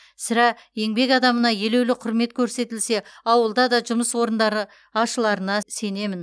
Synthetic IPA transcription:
sɪɾɑe̞ŋbe̞kɑd̪ɑmənɑje̞le̞wlɪqʰʊɾme̞t̪kʲʰɵɾse̞t̪ɪlse̞ɑwəlˠd̪ɑd̪ɑʒʊməswo̞ɾənd̪ɑɾə | ɑʃəlˠɑɾənɑse̞ne̞mɪn

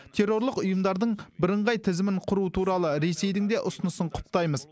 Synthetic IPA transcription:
t̪ʰe̞ɾːo̞ɾlˠəqʊjəmd̪ɑɾd̪əɴbɪɾəɴʁɑjt̪ʰɪzɪmɪɴqʰʊɾut̪ʰuɾɑlˠəɾe̞se̞jd̪ɪŋd̪eʔʊsʊnəsəɴqʰʊ̥p̚t̪ɑjməz

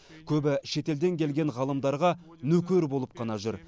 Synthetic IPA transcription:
kʲʰɵbɪʃe̞t̪e̞ld̪e̞ŋkʲʰe̞lɡʲe̞ɴʁɑlˠəmd̪ɑɾʁɑ | nɵkʲeɾbo̞lˠəp̚qʰɑnɑʒʏɾ

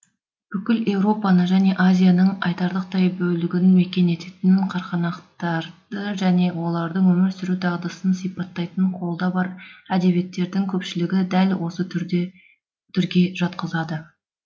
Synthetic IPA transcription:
b̥ʏkʲɪle̞wɾo̞pɑnəʒæne̞ʔazʲijanəɴɑjt̪ɑɾd̪əqt̪ɑjbɵlɪɡʲɪnme̞kʲe̞ne̞t̪e̞t̪ɪnqʰɑɾqɑnɑqt̪ɑɾd̪əʒæne̞wo̞lˠɑɾd̪əɴwɵmɪɾsʏɾud̪ɑʁd̪ɑsənsijpɑt̪ːɑjt̪əɴqʰo̞lˠd̪ɑbɑɾæd̪e̞bje̞t̪ːe̞ɾd̪ɪŋkʲʰɵpʃɪlɪɡʲɪd̪ælwo̞sə | t̪ʰʏɾɡʲe̞ʒɑt̪qəzɑd̪ə

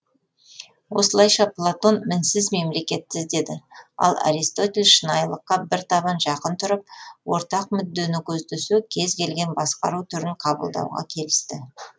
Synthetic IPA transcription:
wo̞səlˠɑjʃɑplˠat̪o̞nmɪnsɪzme̞mle̞kʲe̞t̪ːɪzd̪e̞d̪ɪɑ̰lˠa̰ɾist̪o̞t̪ʲe̞lʲʃənɑjlˠəqːɑbɪɾt̪ʰɑβɑnʒɑqənt̪ʰʊɾəp̚wo̞ɾt̪ɑq̚mʏd̪ːe̞nɪkʲʰɵzd̪ʏsukʲʰe̞zkʲe̞lɡʲe̞nbɑsqɑ̰ɾut̪ʰʏɾɪŋqʰɑbə̰lˠd̪ɑ̰wʁɑ̰kʲʰe̞lɪst̪ɪ

